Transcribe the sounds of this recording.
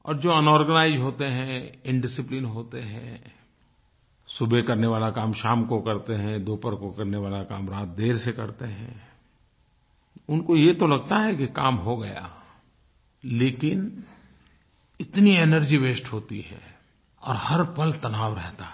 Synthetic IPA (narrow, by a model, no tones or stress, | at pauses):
ɔ̰ːɾd͡ʒoːɐnɔːɾɡənaːɪzɦoːt̪eɦɛ̃ɪ̃ɳɖɪsɪplɪnɦoːt̪eɦɛ̃ | sʊbʱekɐɾneʋaːlakaːmʃaːmkokɐɾt̪eɦɛ̃d̪oːpəɾkokɐɾneʋaːlakaːmɾaːt̪̚ʰd̪eːɾsekɐɾt̪eɦɛ̰̃ | ʊnkojet̪olɐɡ̚t̪aɦɛkikaːmɦoɡɐja̰ | leːkɪn | ɪt̪nienəɾd͡ʒiʋeːsʈɦoːt̪iɦɛ̰ː | ɔ̰ːɾhɐɾpɐlt̪ɐnaːʋɾɛɦt̪aɦ